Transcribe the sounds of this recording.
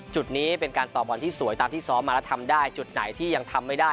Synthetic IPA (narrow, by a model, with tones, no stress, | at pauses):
t͡ɕu˨˩t̪̚niː˦˥pe˧nkaː˧nt̪ɔː˨˩p̚bɔː˧nt̪ʰiː˥˩su˨˩˦əjt̪aː˧mt̪ʰiː˥˩sɔː˦˥maː˧lɛ˦˥t̪ʰa˧mdaː˥˩jt͡ɕu˨˩t̪̚na̰˩˦jt̪ʰiː˥˩ja˧ŋt̪ʰa˧mːa˥˩jdaː˥˩